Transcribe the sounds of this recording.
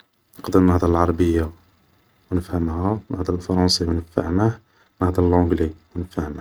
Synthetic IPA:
nnəqd̪ənːɑhd̪ˤɑlʕɑɾˤɑbəjːa | wnəfhəmhænʔɑhd̪ˤɑlfɑɾˤɑ̃siwnəffa̰ʕna | nɑhd̪ˤɑlʕʊ̃ɡliwnəfaʕnæ

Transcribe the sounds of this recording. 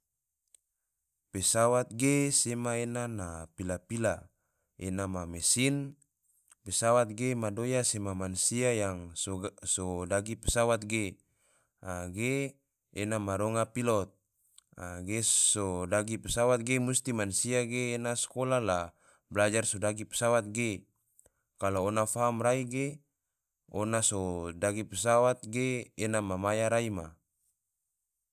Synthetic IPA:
pesawat̪̚ɡesemaenanapilapila | enamamesin | pesawat̪̚ɡemadojasemamansiajaŋsodaɡipesawat̪̚ɡe | aɡeː | namaɾɔŋapilɔt̪̚ | aɡesodaɡipəsawat̪̚ɡemust̪imansiaɡeːnaskolala | blad͡ʒarsodaɡipə̥sawat̪̚ɡe | kaloːnafaɦamraiɡe | onasodaɡipəsawat̪̚ɡeːnamamajaɾaima

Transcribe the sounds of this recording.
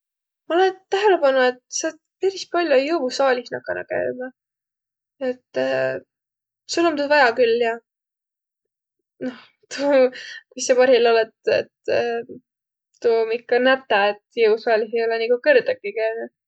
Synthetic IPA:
mɑolent̪æɦe̞le̞pɑnue̞t̪sɑːt̪pæɾist̪̚pɑlʲjo̞jɯusɑːlʲihnɑ̰kːˑɑ̰nʔɑ̰kæ̰jmɑ | e̞t̪ːˑ | sulumd̪ud̪vɑjɑkylːjɑ | noh | t̪uːkujsɑpɑrhilo̞let̪ḛt̪ | t̪umikːɑnæt̪ːˑɑet̪jɯvsɑːlʲiɦejo̞lɛnikukɤrd̪ɑkːikæjnu̥

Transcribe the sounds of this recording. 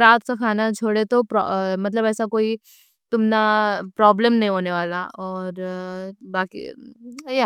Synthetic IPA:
ɾaːt̪sakʰaːnat͡ʃʰoːɽet̪opɾɔ̰mɐt̪̬ləbɛːsakoːi | t̪ʊmnapɾɔːbləmnɐɦĩɦoːneʋaːlaɔːɾ | baːkḭja

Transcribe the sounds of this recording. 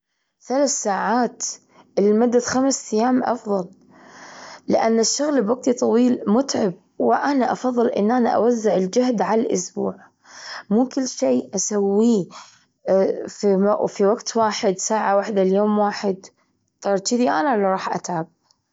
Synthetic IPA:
θalaːθsaːʕaːt̪ | ʔɪlmad̪ːaxamst̪ɪjːaːmʔɑ̰fðˤɑl | lɪ̰ʔanːɪʃːʊɣlbwaɡ̚t̪it̪ˤɑwiːlmʊt̪ʕɪb̚ | wɪʔanaʔɑfɑðˤːɨlʔɪ̰nːʔana̰ʔa̰wazːɪʕɪld͡ʒahd̪ʕalalʔʊ̰sbṵːʕ | muːkɪlːʃeːʔasawːi | fimfiwaɡt̪waːħɪd̪saːʕawaħd̪aljoːmwaːħɪd̪ | t̪ˤɑɾˤt͡ʃid̪iʔanalaɾˤɑːħʔa̰t̪ʕab̚

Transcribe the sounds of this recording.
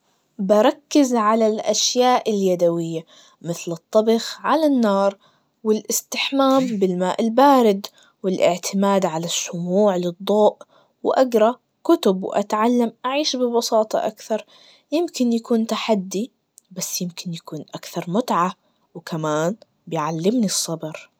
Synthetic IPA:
bɑɾˤɑkːɪzʕalalʔaʃjaːʔɪljad̪awɪjːa | mɪθlɨt̪ˤːɑbɪxʕalanːɑːɾˤ | wɪlʔɪst̪ɪħmaːmbɪlmaːʔɪlbaːɾɪd̪ | wɪlʔɪʕt̪ʰɪmaːd̪ʕalaʃːʊmuːʕlɨd̪ˤːoːʔ | wʔaɡɾˤɑ | kʊt̪ʊbwʔa̰t̪ʕalːamʔaʕiːʃbɪbɑsɑːt̪ˤɑ̰ʔa̰kθɑɾˤ | jɪmkɪnjakuːnt̪aħad̪ːi | basːjɪmkɪnjakuːnʔakθɑɾˤmʊt̪ʕa | wkʰamaːn | bɪjʕalːɪmnisˤːɑbɨɾ

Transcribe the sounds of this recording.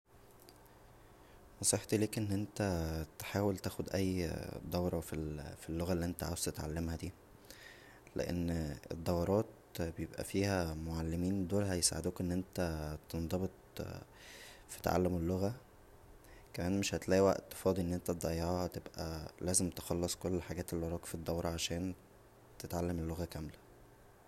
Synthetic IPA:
mɑsˤeħt̪leːkʔenːʔent̪æt̪ħaːwelt̪æːxod̪ʔæjːd̪ˤɑwɾˤɑfifilːoɣælːiːʔent̪æʕa̰ːwezt̪et̪ʕa̰lːemhæd̪iː | lḛʔḛnːḛd̪ˤːɑwɑɾˤɑːt̪ | bejebʔæ̰fiːhæmoʕalːemiːnd̪oːlhæjesa̰ʕḛd̪uːkʔenːʔent̪æt̪end̪ˤɑbet̪̚ˤ | fi̥t̪ʕa̰lːemelːoɣæ | kæmæːnmeʃhæt̪læːʔwæ̰ʔt̪ːfɑːd̪ˤiʔenːʔent̪æt̪d̪ˤɑjːɑʕht̪ebʔæ̰læːzemt̪exɑlːesˤkolːħaɡæːt̪elːwɑɾˤɑːkfid̪ˤːɑwɾˤɑʕaʃæːn | t̪et̪ʕalːemelːoɣækæmlæ

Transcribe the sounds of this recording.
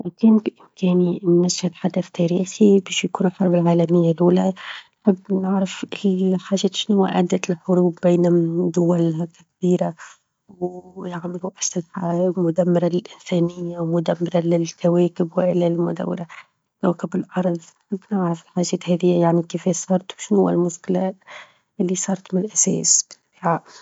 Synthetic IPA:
lakiːnʔɪmkeːninːashalħad̪aθt̪aːɾiːxibeːʃjakuːnɪlħɑɾˤbɪlʕaːlamɪjːalʔuːlanħɪbːnɪʕɾafʔiħaːʒeːt̪ʃɪnhʊwa̰ʔad̪ːat̪ɪlħʊɾuːbːeːnad̪ʊwalhakabiːɾa | wjaʕmɪlwaʔsɪlħamʊd̪amːɪɾˤallʔɪnsæːnɪjːawmʊd̪amːɪɾalɪlkaweːkɪbwɪʔlalmʊd̪a̰wːɪ̰ɾa | t̪awkabɪlʔɑɾˤðˤnħɪbːnɪʕɾafɪlħaːʒeːt̪haːðɪjːajaʕnikeːfeːsˤɑːɾˤt̪wʃɪnhʊwːa̰lmʊskɪla | ʔɪlːisˤɑːɾˤɑt̪mɪnʔasḛːsbɪ̥t̪abiːʕaː

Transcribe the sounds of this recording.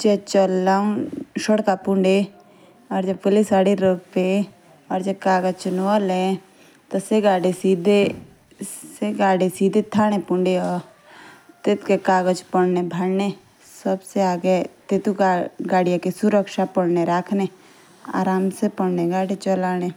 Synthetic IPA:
d͡ʒet͡ʃəlaːʃəɽkapʊ̃ɳɖe | ɔːɾd͡ʒəbpəlisaːɽiɾope | ɔːɾd͡ʒəb̚kaːɡəd͡ʒt͡ʃənoəlẽ | t̪oseɡaːɽesiːd̪ʱe | seɡaːɽisiːd̪ʱet̪ʰaːɽ̃epʊ̃ɳɖeɔːɾ | t̪ɪt̪kekaːɡəd͡ʒpəɽnebʱəɽne | səbseaːɡet̪et̪uɡaːɽijãkisʊɾəkʃapəɽneɾaːkʰne | a̰ːɾaːmsepəɽneɡaːɽit͡ʃəlaːne

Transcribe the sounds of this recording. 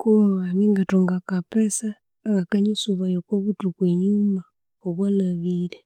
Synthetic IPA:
kuβaβaniŋɡatoŋɡakapesaː | ɣakaɲisuβajokoβutukweɲuma | oβwanaβile

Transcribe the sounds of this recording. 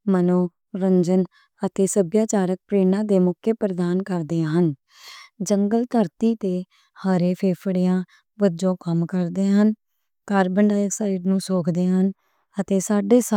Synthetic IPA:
mənoː | ɾəɲd͡ʒən | ət̪eːsəbjaːt͡ʃaːɾək̚pɾeːnãːd̪eːmʊkʰːepɾəd̪aːnkəɾd̪eːãːɦən | d͡ʒəŋɡəlt̪əɾt̪iːt̪eː | haːɾeːpʰeːpʰɽijãː | ʋəd͡ʒõːkəmkəɾd̪eːɦən | kaːɾbəɳɖaːjəksəɾiːɾnũːsoːkʰd̪eːɦən | ət̪eːsaːɖeːs

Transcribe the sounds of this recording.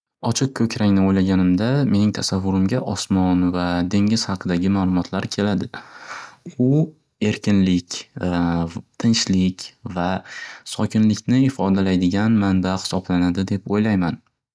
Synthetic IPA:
ɒt͡ʃʰɪq̚kʰɵkʲɾaŋnɪojlaɡʲanɪmd̪ame̞nɪŋt̪ʰasavːʊɾɪmɡʲaʔɒsmɒnvad̪e̞ŋɪz̥hɑqʰɨd̪aɡʲɪmaːlˠʊmɒt̪ʰlaɾkʲʰe̞lad̪ɪ | ʊ | e̞ɾkʲɪnlɪkʲ | t̪ʰɪnʃlɪkʲvasɒkʲɪnlɪkʲnɪɪfɒd̪alajd̪ɪɡʲanmanbaχɪ̥sɒblanad̪ɪd̪e̞pojlajman

